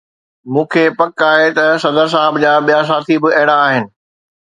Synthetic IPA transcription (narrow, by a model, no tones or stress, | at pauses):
mũːkʰeːpɐkaːɦet̪ɐsɐd̪əɾs̬aːɦɪbd͡ʑaɓijas̬aːt̪ʰibɪɐɦɪɽ̃aːɦɪnɪ̆